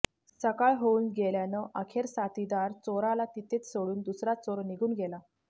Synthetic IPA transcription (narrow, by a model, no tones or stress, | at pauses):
səkaɭɦounɡeljanəʔəkʰeɾsat̪id̪aɾt͡soɾalat̪it̪et͡ssoɽuːnd̪usɾat͡soɾniɡʱuːnɡʱela